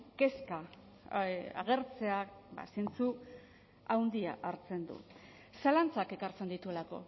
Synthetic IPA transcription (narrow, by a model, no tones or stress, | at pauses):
ke̞ska | a̰ɣe̞ɾt͡se̞aba̰sent͡su | awnd̪ia̰ʔaɾt͡se̞nd̪ṵ | salant͡sake̞kaɾt͡se̞nd̪it̪ue̞lako̞̰